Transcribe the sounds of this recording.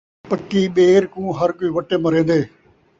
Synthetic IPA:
pəkːiːɓeːɾkũːɦɐɾkoiːʋɐʈeːmɐɾẽːnd̪eː

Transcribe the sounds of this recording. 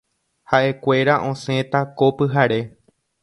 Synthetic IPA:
haʔe̞kʷe̞ɾaʔõ̞sẽ̞t̪akopɨɦaɾe̞

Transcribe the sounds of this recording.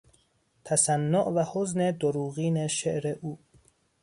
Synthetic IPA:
t̪ʰæsænːoʔvæhozned̪oɾuːɣiːneʃeʔɾeʔuː

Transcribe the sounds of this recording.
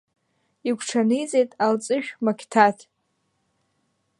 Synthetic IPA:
ikʷʰʈ͡ʂʰanɨjd͡zʼe̞jtʼalt͡sʼɨʃᶣmakʲʰtʰatʰ

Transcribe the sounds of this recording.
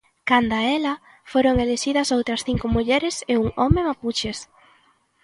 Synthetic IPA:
kand̪ɐɛlɐ | foɾoŋeleʃiðɐsowt̪ɾɐsθiŋkʊmuʎɛɾɪseuŋɔmemaput͡ʃes

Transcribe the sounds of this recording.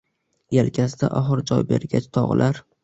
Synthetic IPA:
jalkʲʰasd̪aʔɒɦɨɾd͡ʒɒjbe̞ɾɡʲat͡ʃt̪ʰɒʁ̰lʔaɾ

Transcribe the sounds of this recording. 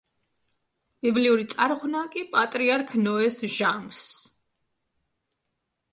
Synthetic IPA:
b̥ibliuɾit̪sʼaɾʁnakʼipʼat̪ʼɾiaɾkʰnɔɛsʒams

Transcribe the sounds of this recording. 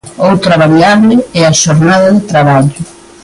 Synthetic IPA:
owt̪ɾaβaβjaβlɪɛaʃoɾnaðɐðɪt̪ɾaβaʎʊ

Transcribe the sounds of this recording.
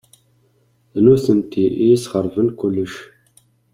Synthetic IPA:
nuθənt̪iʔiisχəɾˤvənkʷʊlːəʃ

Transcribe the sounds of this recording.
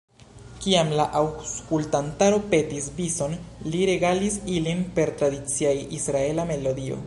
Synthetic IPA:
kiamlaʔawskultantaɾope̞tisbiso̞nliɾe̞ɡalisilinpe̞ɾtɾadit͡siajisɾae̞lame̞lo̞dio̞̰

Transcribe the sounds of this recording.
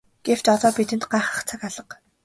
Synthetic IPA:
ɡ̥ew̥t͡ɕɔt̪ɔːpit̪ɘ̆nt̪ɢaːχə̥̆χt͡sʰakaɮə̆q

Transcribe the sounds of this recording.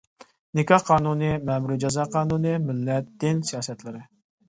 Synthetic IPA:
nɪkʲɑhqʰɑːnunɨmɛmuɾid͡ʒɑzɑːqʰɑːnunɨmɪlːɛt̪̚d̪ɪnsijɑːsɛt̪lɪɾɪ

